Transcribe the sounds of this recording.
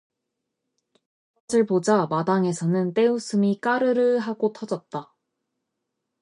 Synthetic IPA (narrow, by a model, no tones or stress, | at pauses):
ʌsɯɭpod͡ʑamadaŋe̞sʰʌnɯnt͈e̞usʰɯmik͈aɾɯɾɯɭɦaɡotʰʌd͡ʑʌt̚t͈a